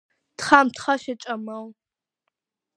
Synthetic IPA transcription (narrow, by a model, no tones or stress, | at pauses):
tχamtχaʃat͡ʃʼɐmɐw